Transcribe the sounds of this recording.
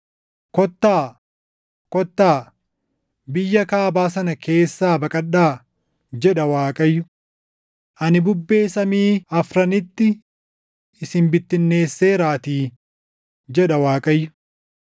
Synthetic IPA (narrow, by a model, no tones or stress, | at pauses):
kɔt̪ːaː | kɔt̪ːaː | bɪjːɐkaːbaːsɐnɐkʰe̞ːsːaːbɐkʼɐɗːaː | d͡ʒɛᶑɐwaːkʼɐjːʊ | ʔɐnɪbʊbːe̞ːsɐmiːɐfɾɐnɪt̪ːɪ | ɪsɪmbɪt̪ːɪnːe̞ːsːeːɾaːt̪iː | d͡ʒɛᶑɐwaːkʼɐjːʊ̥